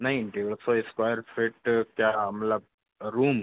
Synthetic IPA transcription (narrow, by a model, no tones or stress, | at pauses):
naɦiʈeʋɭsɔeskwajəɾfeʈkjaːm̤la | ɾuːm